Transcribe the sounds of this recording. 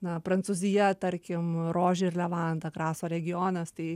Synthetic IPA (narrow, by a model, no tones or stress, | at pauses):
nɐpɾɐnt̪suzʲɪjɛt̪ɐɾʲkʲɪmɾoːʒʲɛɪrlʲɛʋɑnd̪ɐkɾɑːsoːɾʲɛɡʲɪjoːnɐst̪ɐɪ